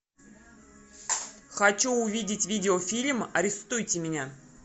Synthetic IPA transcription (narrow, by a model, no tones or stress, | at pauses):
xɐt͡ɕuːvʲidʲɪtʲvʲidʲɪofʲilʲmɐɾʲɪst̪ujtʲɪmʲɪnʲa